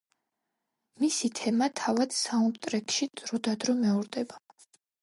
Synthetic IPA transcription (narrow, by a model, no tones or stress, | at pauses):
misit̪ʰɛmat̪ʰavad̪̥saunt̪ʼɾɛkʼʃid̪ɾɔd̪ad̪ɾɔmɛuɾd̪ɛba